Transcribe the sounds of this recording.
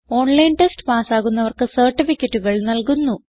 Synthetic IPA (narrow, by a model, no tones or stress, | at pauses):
o̞ːɳlɐjnʈesʈɨ̥paːsaːɣunːɐʋɐrkɨsɐrʈːifikʲːɐʈːuɣɐɭnɐlkunːu